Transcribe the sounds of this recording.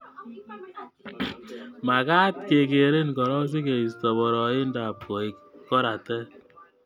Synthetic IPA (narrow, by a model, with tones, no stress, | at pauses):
ma˨ka˦t̚ke˨ke˨ɾe˦nkɔ˨ɾɔ˦s̬i˦ke˨i˨stɔ˨bɔ˨ɾɔ˨ɪ˦nda˨p̚ko˨i˨kkɔ˦ɾa˨tɛ˦